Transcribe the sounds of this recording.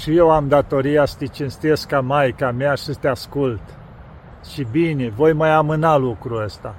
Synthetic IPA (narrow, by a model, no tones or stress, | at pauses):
ʃijewamd̪at̪o̞ɾijasə̥t̪et͡ʃinst̪e̞skamajkameaʃist̪easkult̪ | ʃibinevo̞jmajamɨnalukɾuəst̪a